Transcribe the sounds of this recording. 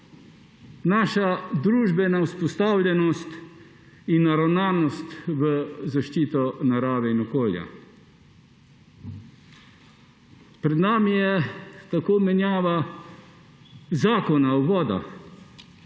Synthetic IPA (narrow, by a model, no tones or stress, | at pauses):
naːʃad̪ɾuːʒbɛnawspɔst̪aːwlʲjɛnɔst̪ | inːaɾawnaːnɔst̪ʋəzaʃt͡ʃiːt̪ɔnaɾaːʋɛinɔkoːlja̰ | pɾɛd̪naːmijɛt̪akoːmɛnjaːʋa | zaːkɔnawʋɔːd̪a̰